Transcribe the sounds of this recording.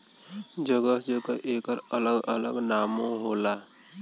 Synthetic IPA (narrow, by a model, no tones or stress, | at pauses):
d͡ʒəɡəɦd͡ʒəkəʔeːkəɾələɡələɡnaːmõɦolaː